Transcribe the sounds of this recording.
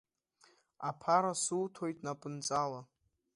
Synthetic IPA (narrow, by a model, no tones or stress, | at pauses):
apʰaɾasuwtʰo̞jtʼnapʼɨnt͡sʼala